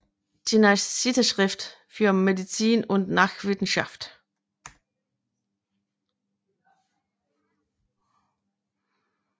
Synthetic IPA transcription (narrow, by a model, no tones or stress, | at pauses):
d̥ʰinasitəʃʁ̥ɪft | fyːɐmedit͡siːnʊntnaːχv̥ɪsn̩ʃa̰ft